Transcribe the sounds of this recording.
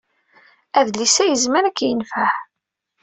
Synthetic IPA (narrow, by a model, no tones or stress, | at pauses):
æðlisæjəzməɾækːjənfaħ